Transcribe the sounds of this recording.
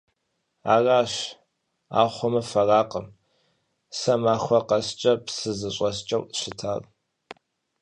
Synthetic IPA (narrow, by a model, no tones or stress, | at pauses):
a̰ːraːɕ | a̰ːχʷɔmɨfɐraːqəm | sɐmaːxʷɔqɐst͡ʃʼɐpsɨzɨɕʷʼɐst͡ʃʼɐwɕɪtʰaːr